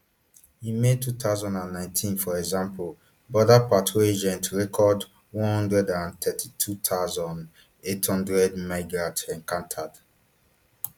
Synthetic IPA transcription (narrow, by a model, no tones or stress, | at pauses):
himed̚tːut̪aʊzɔ̃ndãnːãɪ̃ntʰĩnfɔɹɛɡzãmpol | bɔdapatʰoed͡ʒɛ̃ntɹɛkʰɔd | wɔ̃nhɔ̃ndɹɛdãnt̪ʰɛtʰitʰut̪ʰaʊzɔ̃nd | ethɔ̃ndɹɛdmaɪɡɹatɛ̃nkãntʰad̥